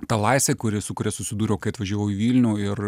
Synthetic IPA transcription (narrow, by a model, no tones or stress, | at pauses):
t̪ɑlˠɑɪsʲʋʲeːkʊɾʲɪsʊkʊɾʲɛsʊsʲɪd̪uːɾʲɛːkɐɪɐt̪ʋɐʒʲuːʋɛʊɪʋʲiːlʲnʲuːɪr